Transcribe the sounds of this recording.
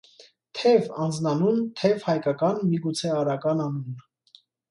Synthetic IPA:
t̪ʰɛvɑnd͡znɑnunt̪ʰɛvhɑjkɑkɑnmiɡut͡sʰɛɑɾɑkɑnɑnun

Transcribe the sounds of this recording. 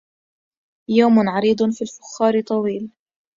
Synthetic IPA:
joːmʊnʕɑɾiːd̪ˤfiːlfʊ̥xːɑːɾɪt̪ˤɑwiːl

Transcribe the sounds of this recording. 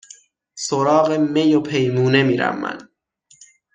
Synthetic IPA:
soɾɒːɣeme̞jopʰe̞jmuːne̞miːɾæ̰mːæ̰n

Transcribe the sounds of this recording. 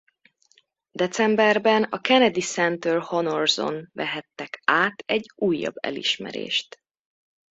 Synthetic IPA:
d̪ɛt̪sɛmbɛrbɛnɒkɛnɛd̪isɛnt̪ølhonorzo̰nvɛɦɛt̪ːɛkaːt̪ɛɟːuːjːɒ̰bːɛ̰lḭʃmɛ̰ɾḛːʃt̪

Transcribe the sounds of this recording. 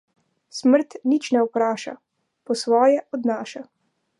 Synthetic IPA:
sməɾt̪nit͡ʃnɛɔpɾaːʃa̰ | pɔsʋɔːjɛʔɔd̪naːʃa

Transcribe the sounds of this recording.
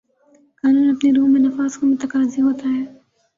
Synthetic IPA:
kaːnuːnɐpneɾuːmẽnɐfaːzkomʊt̪ɐkaːziɦoːt̪aɦɛː

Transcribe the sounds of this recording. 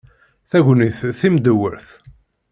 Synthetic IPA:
θæʝʷniθθimd̪əwːə̰ɾθ

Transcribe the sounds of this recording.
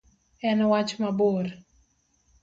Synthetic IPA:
ɛnwat͡ʃmaboɾ

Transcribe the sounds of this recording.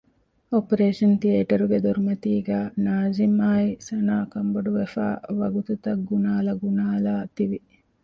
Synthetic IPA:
opɐɾeːʂɐnt̪ieːʈɐɾuɡed̪oɾumɐt̪iːɡæːnaːzimaːisɐnaːkɐmboɖuʋefæ̰ːʋɐɡut̪ut̪ɐkɡunaːlɐɡunaːlaːt̪iʋi

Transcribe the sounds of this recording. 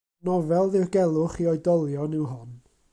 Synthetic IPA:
nɔvɛlˠðɪrɡɛlˠʊχiɔjdɔlˠjɔnɪwɦʊn

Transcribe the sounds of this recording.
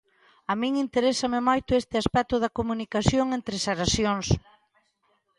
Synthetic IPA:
amĩŋint̪eɾesɐmɪmojt̪ʊest̪ɪaspɛt̪ʊðɐkomunikasjoŋent̪ɾɪseɾasjoŋs

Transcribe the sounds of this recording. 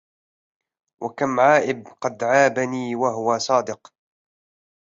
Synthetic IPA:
wʔakamʕaːʔɪbqɑd̪ʕaːbaniːwaɦʊwasˤɑːd̪ɪq

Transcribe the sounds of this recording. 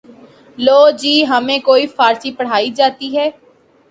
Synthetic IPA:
loːd͡ʒiːɦəmẽːkoːiːpʰaːɾsiːpəɽ̤aːiːd͡ʒaːt̪iːɦɛː

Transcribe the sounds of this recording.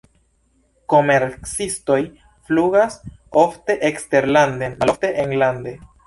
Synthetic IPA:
ko̞me̞ɾt͡sisto̞j | fluɡaso̞fte̞ʔekste̞ɾlandeafte̞ʔeŋlande̞

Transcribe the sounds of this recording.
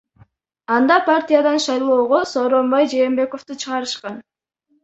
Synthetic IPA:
ɑnd̪ɑpʰartʲijad̪ɑnʃɑjlˠo̞ːʁoso̞ːɾo̞mbɑjd͡ʒe̞ːmbe̞ko̞ft̪ut͡ʃʰɯʁɑɾɯʃqɑn

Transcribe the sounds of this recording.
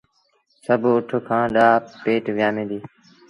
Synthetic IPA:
səbʱʊʈʰokʰãːɗaːpeːʈʋɪjaːmẽːd̪iː

